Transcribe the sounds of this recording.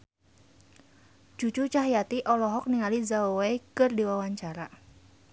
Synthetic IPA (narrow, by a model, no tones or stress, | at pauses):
d͡ʒut͡ʃut͡ʃaɦjat̪iʔɔlɔɦɔk̚niŋalizawejkɨrdiwawaɲt͡ʃaɾa